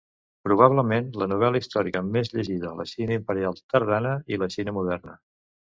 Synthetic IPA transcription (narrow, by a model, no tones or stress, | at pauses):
pɾuβ̞aβləmenlənuβ̞ɛləist̪ɔɾikəmezʎəʒiðəːlə̰ʃinəimpəɾialˠt̪əɾðanəiləʃinəmuðɛrnə